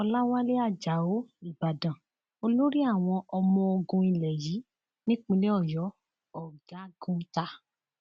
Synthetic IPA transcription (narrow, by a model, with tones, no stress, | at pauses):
ɔ˧la˦wa˦le˦a˦˨d͡ʒa˨˦o˨˦i˨ba˨dã˨ | o˧lo˦ɾi˦a˦˨w̃ɔ̃˧ʔɔ˧mɔ̃˧o˧ɡũ˧i˧˨lɛ˨ji˨˦ | nĩ˦k͡pĩ˧le˦ɔ˦˨jɔ˨˦ | ɔ˦˨ɡã˨˦˨ɡũ˦ta˧